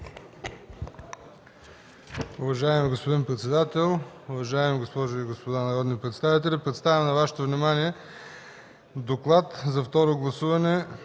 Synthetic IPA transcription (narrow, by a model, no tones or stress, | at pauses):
ʊvɐʒaɛmiɡospod̪inpɾɛt̪sɛd̪at̪ɛlˠʊvɐʒaɛmiɡospɔʒoiɡospod̪anɐɾɔd̪nipɾɛt̪st̪avit̪̬ɛlʲipɾɛt̪st̪avʲɛmnɐvaʃɛ̥t̪ovnimaniɛ | d̪oklˠat̪zɐft̪ɔɾoɡlˠɐsuvɐnɛ